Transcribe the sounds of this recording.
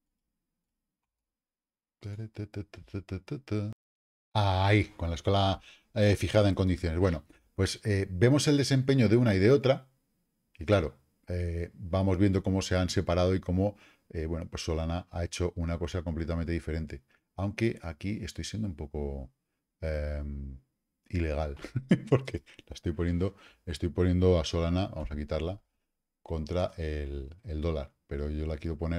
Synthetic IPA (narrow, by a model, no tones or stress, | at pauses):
t̪eɾet̪t̪t̪t̪t̪t̪t̪ | aiko̞nlaeskola | efixaðaeŋko̞nd̪iθjo̞neβwe̞no̞ | pwe̞sebe̞mo̞se̞ld̪e̞se̞mpe̞ɲoðeunaið̞eo̞t̪ɾa | iklaɾo̞ | ebamo̞zβjend̪o̞ko̞mo̞se̞anse̞paɾað̞oiko̞mo̞ | eβwe̞nopwo̞sːo̞lanaʔae̞t͡ʃo̞ʔunako̞sako̞mple̞t̪amẽnt̪eðife̞ɾẽ̞nt̪e̞ | awŋke̞ʔakie̞st̪o̞jsje̞nd̪oumpo̞ko̞ | em | ile̞ɣ̞alpo̞ɾkelaest̪o̞jpo̞nje̞nd̪o̞e̞st̪o̞jpo̞nje̞nd̪o̞aso̞lanaβa̰mo̞sakit̪aɾla | ko̞nt̪ɾaʔeleld̪o̞laɾpe̞ɾo̞ʝo̞lakjeɾopo̞neɾ